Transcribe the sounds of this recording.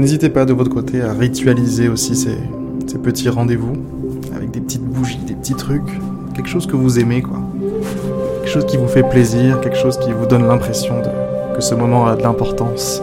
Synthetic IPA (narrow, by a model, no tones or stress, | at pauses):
nezit̪epad̪əvɔt̪χəkot̪ʰeaʁit̪ɥalizeosisḛ | sepət̪ʰiʁɑ̃d̪evu | a̰vɛ̰k̚d̪epət̪ʰit̪buʒid̪epə̥t̪it̪χykʲ | kʲːɛlkʃozkəvuzɛmekwa̰ | ɛlkʃozkʲivufɛpleziʁkʲɛlkʃozkʲivud̪ɔnlɛ̃pχesjɔ̃d̪ə | kəsəmɔmɑ̃ad̪əlɛ̃pɔʁt̪ɑ̃s